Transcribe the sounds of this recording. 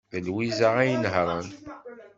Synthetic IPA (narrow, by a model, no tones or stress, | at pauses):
ðəlwizaʁæjnhɾˤɑn